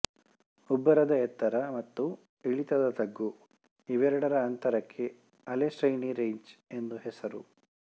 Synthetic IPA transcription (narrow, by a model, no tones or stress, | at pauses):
ubːɐɾɐd̪ɐɛt̪ːɐɾɐmɐt̪ːu | iɭit̪ɐd̪ɐt̪ɐɡːu | iʋɛɾɐɽɐɾɐːnt̪ɐɾɐkʰːe̞ | ɐlesʈɾɐjɳiɾeɲd͡ʒe̞nd̪uɦesɐɾu